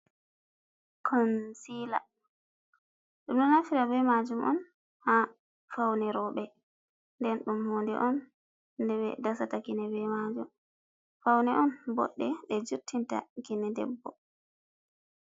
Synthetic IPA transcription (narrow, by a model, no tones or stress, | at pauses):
kʰɔnsila | ɗumɗɔnafiɾabɛmad͡ʒumʔɔ̰n | ha | fawnɛɾɔɓɛ | ndɛnɗumhoːndɛ̰ʔɔn | dɛβɛ̰dasatakinɛbɛmad͡ʒum | fawnɛʔɔnbɔ̰ɗːɛɗɛd͡ʒutʰːinta̰kinɛdɛ̰bːɔ